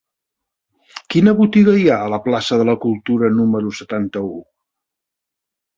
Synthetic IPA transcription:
kinəβut̪iɣəiaələplasəðələkulˠt̪uɾənuməɾusət̪ant̪əu

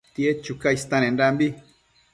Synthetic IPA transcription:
t̪iet͡ʃukaist̪ãnẽnɾambi

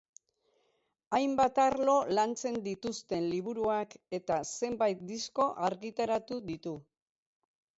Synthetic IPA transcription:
ajmbat̪aɾlo̞lant͡se̞nd̪it̪ust̪e̞nliβ̞uɾuake̞t̪ase̞mbajt̪̚d̪isko̞ʔaɾɣit̪aɾat̪uðit̪u

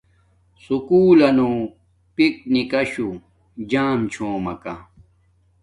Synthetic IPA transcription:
sukuːlɐno | pik̚nikɐɕu | d͡ʑaːmt͡ɕʰoːmɐka̰

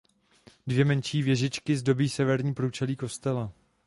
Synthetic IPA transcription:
dvjɛmɛnt͡ʃiːvjɛʒɪt͡ʃkɪzdo̞biːsɛvɛɾɲiːpɾut͡ʃɛliːko̞st̪ɛla

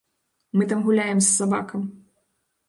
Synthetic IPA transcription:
mɨt̪amɣulʲajɛmsːabakɐm

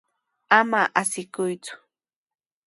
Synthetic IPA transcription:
amaʔasɪkʊjt͡sʊ̥

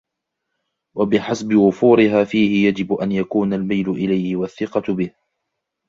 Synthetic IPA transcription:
wabɪħasbɪwʊfuːɾɪɦaːfiːhɪjad͡ʒɪbʔanjakuːnalmajlʊʔɪlajhɪwaθːɪqɑbɪh

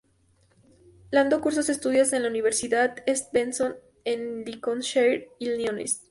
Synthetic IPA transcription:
land̪okuɾs̬ose̞st̪uðjose̞nlauniβ̞e̞ɾsiðaðest̪̚benson | enlikonʃeɾilnjonḛs

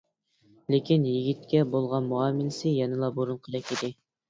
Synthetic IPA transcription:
lekʲinjiɡʲit̪̚kʲɛbolˠʁɑnmuɑmɪlɪsɪjɛnɨlˠɑboɾunqʰəlˠɛkʲid̪ɪ

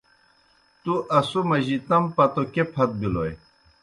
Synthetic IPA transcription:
t̪uʔɐsumɐʑit̪ɐmpɐt̪okepʰɐt̪̚biloj

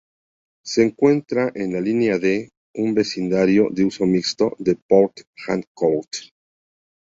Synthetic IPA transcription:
se̞ːŋkwe̞nt̪ɾaʔe̞nlalinjaðe̞ | umbe̞sind̪aɾjo̞ðeuso̞mikst̪o̞̰ðe̞poɾkxaŋkowt

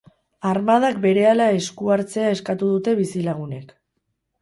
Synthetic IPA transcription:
aɾmað̞akbe̞ɾe̞alae̞skuaɾt͡se̞aeskat̪uð̞ut̪e̞βisilaɣ̞une̞k

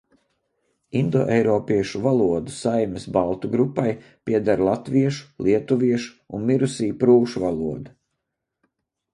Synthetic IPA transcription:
ind̪ɔ̰ːʔɛjɾɔːpiɛʃuvalˠuɔd̪usajmʲɛsbalˠt̪uɡɾupːaj | pʲiɛd̪aɾlˠat̪viɛʃu̥lˠʔiɛt̪uviɛʃu̥unmiɾusiːpɾuːʃuvalˠuɔd̪u

